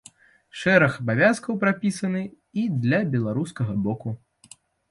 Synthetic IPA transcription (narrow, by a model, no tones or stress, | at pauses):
ʂɛɾɐxɐbavʲaskɐwpɾapʲisɐnɨ | id̪lʲɐbʲɛlˠaɾuskɐɣɐbɔku